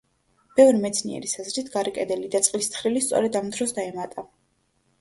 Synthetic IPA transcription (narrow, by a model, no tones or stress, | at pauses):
b̥ɛvɾimɛt̪sʰnḭɛ̰ɾisazɾit̪ʰɡaɾikʼɛd̪ɛlid̪at̪sʼqʼlist̪ʰχɾilist̪sʼɔ̰ɾɛd̪amd̪ɾɔsd̪aɛmat̪ʼa